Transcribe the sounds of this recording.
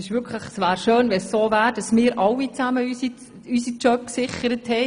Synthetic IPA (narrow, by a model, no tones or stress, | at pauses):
ɪʃʋʏɾkʰləχsʋæːɾʃøːnvɛsːoːvæːɾd̥ɑsmɪːɾʔɑwit͡sæməysi | ysit͡ʃœp̚ksɪχəɾəthɛɪ